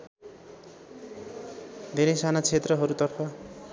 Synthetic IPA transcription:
d̪ʱeɾʌjsanat͡sʰet̪rʌɦʌɾut̪ʌrpʰʌ

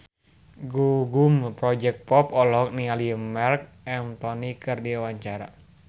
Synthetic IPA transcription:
ɡuɡumpɾɔd͡ʒɛk̪̚pɔpɔlɔk̚nialiəmɛrk̚ | ɛmt̪ɔnikɨrdiawaɲt͡ʃaɾa

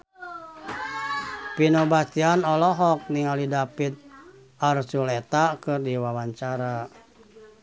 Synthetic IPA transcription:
pinɔbast̪ianɔlɔɦɔk̚niŋalidapit̪̚ | arsulet̪akɨrdiwawaɲt͡ʃaɾa

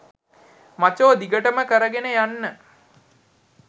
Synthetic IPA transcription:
mat͡ʃoːd̪iɡəʈəməkəɾəɡenəjanːə

